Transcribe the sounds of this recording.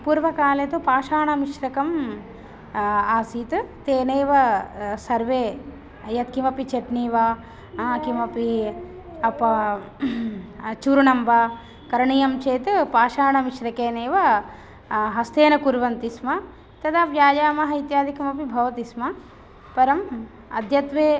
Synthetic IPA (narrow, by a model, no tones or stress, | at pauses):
puːɾʋɐkaːlet̪upaːʃaːɳɐmiʃɾɐkɐm | aːsiːt̪ɨt̪eːneːʋɐsɐɾʋeː | ɐjɐt̪kimɐpit͡ʃeʈniːʋa | kimɐpi | ɐpɐ | t͡ʃuːɾuɳɐmba | kɐɾɐɳijɐmt͡ʃeːt̪ɨpaːʃaːɳɐmiʃɾɐkeːneːʋɐ | ɦɐst̪eːnɐkuɾʋɐnt̪ismɐ | t̪ɐd̪ɐpjaːd͡ʒaːmɐɦɐit̪jaːd̪ʱikimɐpibʱɐʋɐt̪ismɐ | pɐɾɐm | ɐd̪ʱjɐt̪ʋeː